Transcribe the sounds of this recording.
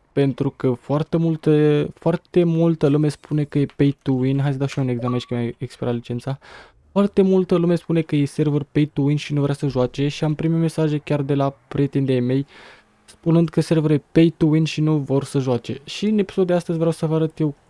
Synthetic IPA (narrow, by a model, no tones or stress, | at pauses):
pe̞nt̪ɾukəfoart̪emult̪əfoart̪e̞mult̪əlume̞spʰune̞kəje̞pejt̪uwinɦajdsəd̪awʃiune̞ɡzamenʃkʲemaekspiɾʔalit͡ʃe̞nt̪sa | foart̪e̞mult̪əlume̞spune̞kəjejse̞rvərpejt̪uwinʃinuvɾeasəʒoat͡ʃe̞ʃiampɾimeme̞saʒe̞kʲard̪e̞lapɾʲijet̪ind̪eajme̞j | spunɨnd̪kəse̞rvəɾjepejt̪uwinʃinuvo̞rsəʒoat͡ʃe̞̰ʃiɨnepi̥so̞d̪d̪east̪əzʲvɾeawsəvəaɾət̪je̞w